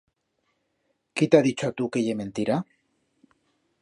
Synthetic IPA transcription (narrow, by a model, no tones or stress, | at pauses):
kit̪aðit͡sat̪ukejement̪iɾa